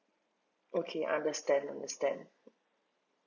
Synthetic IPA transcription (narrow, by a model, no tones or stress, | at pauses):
ʔokʰeʔã̰ndəstæ̃ndãndəstæ̃nd